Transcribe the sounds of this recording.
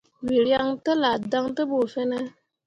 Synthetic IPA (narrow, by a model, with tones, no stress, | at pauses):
wi˨ɾja˦ŋtə˦la˨da˦ŋtə˦bo˨fe˦ne˦